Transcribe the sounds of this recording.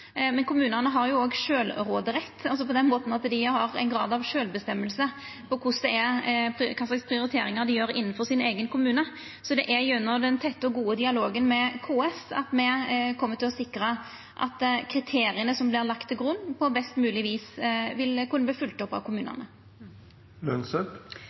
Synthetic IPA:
mɛnkʰʊmʉːnənəɦɑɾjʊoːɡʂøːlɾoːd̪əɾɛt̪ːɑls̬ɔpɔd̪ɛnmoːt̪nɑt̪d̪ɪhɑɾɛ̰ɪnɡɾɑːd̪ɑʋʂøːlbəst̪ɛmːəlsə | pʰɔkʰʊsd̪ɛɛpʰkʰɑslɑɡspɾɪʊɾɪt̪ʰeːɾɪŋɑd̪ɪjøːɾɪ̰nːənfɔʁsɪneːɡənkʰʊmʉːnə | sɔd̪ɛʔæjʉnːəd̪ɛnt̪ʰɛt̪ːəɔɡuːəd̪ɪɑloːɡənmɛkʰoːɛsɑ̰t̪mɛkʰɔmːət̪ɪlɔsɪkɾə | ʔɑ̰t̪kʰɾɪt̪ʰeːɾɪənəsɔmblɪʁlɑkt̪ʰːɪlɡʁʉnːpʰɔbɛst̪mʉːlɪʋiːsʋɪlkʰʉnəb̪iːfʉlt̪ɔpːɑ̰ʋkʰʊmʉːnə̰nə̰ | lœnsɛp

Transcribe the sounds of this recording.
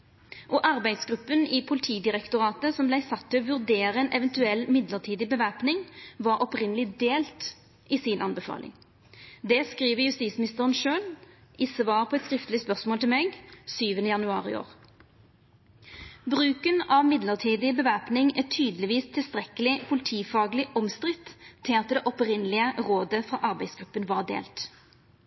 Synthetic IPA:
ʔɔʔɑʁbæɪd̪sɡʁʉpːənɪpʰʊlɪt̪ʰiːd̪ɪʁɛkt̪ʊʁɑːt̪əsɔmblæɪsɑt̪ʰːɪɔʋʉʁd̪eːʁəɛnʔɛʋɛnt̪ʉɛlːmɪd̪ləʁt̪ʰiːd̪ɪbəʋæpnɪŋʋɑɾʔɔpʁɪnəlɪd̪eːlt̪ | ʔɪsɪnʔɑnbɛfɑ̰ːlʔɪ̰ŋ | d̪ɛskʁiːʋəjʉst̪iːsmɪnɪst̪əʁənʃøːlɪsʋɑːʁpʰɔɛt̪skʁɪft̪əlɪspœʁsmoːlt̪ʰɪlmɛɡsyːʋənəjɑnʉɑ̰ːʁɪ̰o̰ːʁ | bʁʉːkənɑʋmɪd̪ləʁt̪ʰiːd̪ɪbəʋæpnɪŋæt̪ʰyːd̪əlɪʋiːst̪ʰɪlst̪ʁɛkəlɪpʰʊlɪt̪ʰiːfɑːɡlɪʔɔmst̪ʁɪt̪ʰːɪlɑt̪d̪ɛʔɔpʁɪnːəlɪəʁoːd̪əfʁɑʔɑʁbæɪsɡʁʉpːənʋɑʁd̪ḛːlt̪

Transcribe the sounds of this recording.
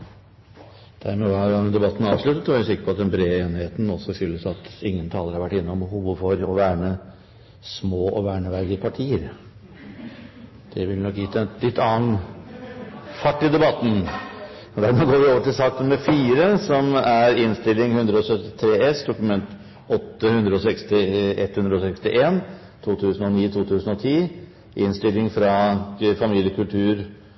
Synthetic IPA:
d̪̥æɾmɛʋɑɾɑnd̪ɛbɑt̪ːn̩ɾɑːʋʂɭʉt̪ːət̪ːɔʋæʉsɪkːəɾpʰɔɑt̪̚d̪ɛnbɾeːeːnɪheːt̪n̩ɔsːɔfʏlːəsɑt̪ɪŋːənt̪ʰɑːləɾhɑɾʋæʈːɪnːəɔmbəhuːʋəfɔɾɔʋæːɳə | smoːʔɔʋæːɳəʋæɾd̪ɪəpʰɑʈʰiːəɾ | d̪̥ɛʋɪlnɔkːjɪt̪ːəɛlɪt̪ːɑːn | fɑʈːɪd̪ɛbɑt̪ːn̩ | d̪æɾmɛɡoːʋɪoːʋəʈɪlsɑːkənmɛfiːɾəsɔmæɾɪnst̪ɪlːɪŋhʉnd̪ɾəɔsœt̪ːɪ̥t̪ʰɾeːɛsd̪ʊkʉmɛnt̪ | ɔt̪ːəhʉnd̪ɾəɔsɛkst̪ɪɛt̪hʉnd̪ɾəɔsɛkst̪ɪʔeːn | t̪ʰuːt̪ʰʉːsən̩ɔniːt̪ʰuːt̪ʰʉːsən̩ɔt̪ʰiː | ʔɪnst̪ɪlːɪŋfɾɑfɑmiːljəkʉlt̪ʰʉːɾ

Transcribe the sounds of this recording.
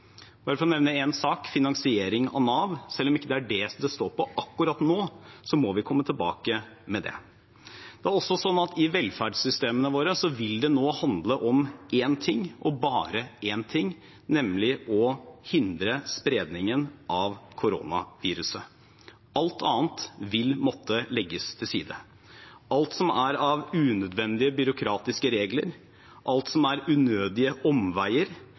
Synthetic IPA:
b̥ɑːɾəfɾɔnɛʋnəɛnsɑːkfɪnɑŋsɪeːɾɪŋɑ̰ʋnɑːʋsɛlːɔmɪkːəd̪ɛæɖɛsd̪ɛst̪oːɾpʰɔʔɑkːʉɾɑt̪noːsɔmɔʋɪkʰɔmːət̪ʰɪlbɑ̰ːkəmɛd̪ɛ̰ | d̪̥ɛæɾɔsːɔsɔnːɑt̪ɪʋɛlfæɖsʏst̪eːmənəʋoːɾəsɔʋɪld̪ɛnoːhɑnd̪ləʔɔmeːnt̪ʰɪŋːʔɔbɑːɾəeːnt̪ʰɪŋː | nɛmːlɪʔɔhɪnd̪ɾəspɾeːd̪nɪŋənʔɑʋkʰʊɾo̰ːnɑ̰ʋiːɾʉsə | ɑlt̪ʰɑːnt̪ʋɪlmɔt̪ʰːəlɛɡːəst̪ʰɪlsiːd̪ə̰ | ɑlt̪sɔmæɾɑʋʉːnœd̪ʋɛnd̪ɪəbʏɾʊkʰɾɑːt̪ɪskəɾeːɡlə̰ɾ | ʔɑlt̪sɔmæɾʉːnøːd̪ɪəʔɔmʋæɪəɾ

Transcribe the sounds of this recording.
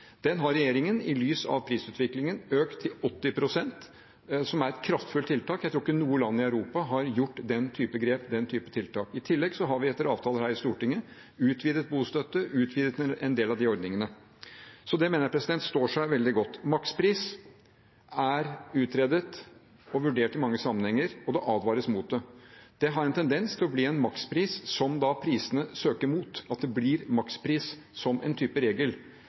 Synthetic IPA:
d̪̥ɛnɦɑɾɛjeːɾɪŋənɪlyːsɑ̰ʋpʰɾiːsʉːt̪ʰʋɪklɪŋənøːkt̪ʰːɪlɔt̪ːɪpʰɾʊsɛnt̪ | sɔmæɾɛt̪kʰɾɑft̪fʉlt̪ʰːɪlt̪ɑːkjæɪt̪ʰɾuːɾɪkːənuːəlɑnːɪœʉɾuːpɑɦɑɾjʊʈːd̪ɛnt̪ʰyːpəɡɾeːpd̪ɛnt̪ʰyːpə̥t̪ʰɪlt̪ɑːkɪt̪ʰɪlːɛɡsɔɦɑɾʋɪɛt̪ːəɾɑːʋt̪ʰɑːləhæːɾɪst̪uːʈɪŋːə | ʉːt̪ʰʋiːd̪ət̪̚buːst̪œt̪ːəʔʉːt̪ʰʋiːd̪ət̪ɛnd̪eːlɑʋd̪ɪɔɾd̪nɪŋənə | sɔd̪ɛmeːnəɾpʰɾɛsɪd̪ɛnt̪st̪oːʂæɪʋɛld̪ɪɡɔt̪ːmɑkspʰɾiːs | æɾʉːt̪ʰɾeːd̪ət̪ | ɔʋʉɖeːʈɪmɑŋːəsɑmːənhɛŋːəɾɔd̪ɛʔɑːd̪ʋɑːɾəsmuːt̪̚d̪ɛd̪̥ɛɦɑɾɛnt̪ʰɛnd̪ɛnst̪ʰɪlɔbliːɛnmɑkspʰɾiːsːɔmd̪ɑpʰɾiːsənəsøːkəɾmuːt̪ɑt̪̚d̪ɛbliːɾmɑkspʰɾiːs | sɔmɛ̰nt̪ʰyːpəɾeːɡəl

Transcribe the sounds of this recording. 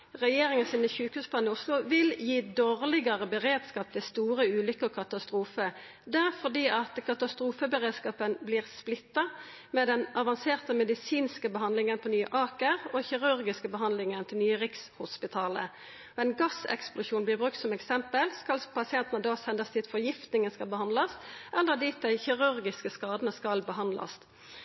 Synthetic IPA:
ʁɛjeːʁɪŋənsiːnəçʉːkhʉːsplɑnɪʊslʊʋɪljiːd̪oːʁlɪɡəʁəbəʁeːd̪skɑːp̚t̪ʰɪst̪uːʁəʉːlʏkəkʰɑt̪ɑst̪ʁuːfə | d̪æʁfɔʁd̪iːʔɑt̪kʰɑt̪ɑst̪ʁuːfəbəʁeːd̪skɑːpənblɪːʁsplɪt̪ːɑ | mɛd̪ɛnɑʋɑnseːʁt̪əmɛd̪ɪsiːnskəbəɦɑnd̪lɪŋənpʰɔnyːə̰ʔɑːkəʁɔçɪʁʉʁɡɪskəbəɦɑnd̪lɪŋənt̪ʰɪlnyːəɾɪkshʊspɪt̪ʰɑːlə̰ | ɔɛɪnɡɑsɛ̰ksplʊʃuːnblɪʁbʁʉk̚t̪sɔmɛksɛmpəlskɑlpʰɑsɪɛnt̪ənəd̪ɑːsɛnd̪əst̪ʰiːt̪fɔʁjɪft̪nɪŋənskɑlbəhɑnd̪lɑsʔɛlːəʁd̪ɪːt̪̚d̪æɪçɪʁʉɾɡɪskəskɑːd̪ənəskɑlbəɦɑnd̪lɑ̰s

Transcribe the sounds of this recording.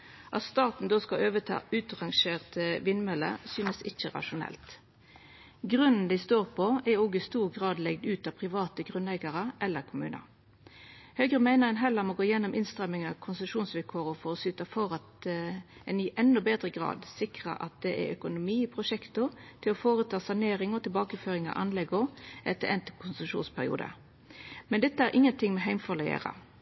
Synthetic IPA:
ʔɑt̪st̪ɑːt̪n̩d̪oskɑʔøːʋət̪ʰɑ̰ːʉːt̪ʁɑŋʃeːʁt̪ʋɪnmɛlə̰syːnəsɪçəʁɑ̰ʂʊnɛ̰lt̪ | ɡʁʉnn̩d̪æɪst̪oːʁpʰɔɛɾɔɡɪst̪uːʁɡʁɑːd̪lɛɡd̪ʉːt̪ɑpʰʁɪʋɑːt̪əɡʁʉnɛɡɑʁəʔɛlːəʁkʰʊmʉ̰ːnə̰ | hœʏɡʁəmæɪnəʁɛnɦɛləmoːɡoːjɛnːʊmʔɪnst̪ʁɛmɪŋɑkʰʊnsəʃuːnsʋɪlkʰoːʁəfɔʁɔsyːt̪ɑfɔʁɑt̪ | ɛnɪʔɛnːɔbeːd̪ʁəɡʁɑ̰ːd̪sɪkʁə̰ʔɑ̰t̪̚d̪ɛʔɛ̰ɾœkʊnʊmiːpʰɾʊʂɛkt̪ʊt̪ʰɪlɔfoːʁət̪ʰɑːsɑneːɾɪŋɔt̪ʰɪlbɑːkəføːɾɪŋɑ̰ʔɑ̰nlɛɡɔʔɛt̪ːəɾɛnt̪əkʰʊnsəʂṵːnspʰæʁɪ̰ṵːd̪ə̰ | mɛnd̪ɛt̪ːəæɾʔɪŋːənt̪ʰɪŋmɛɦæɪmfɔʁlɛḛːʁə̰

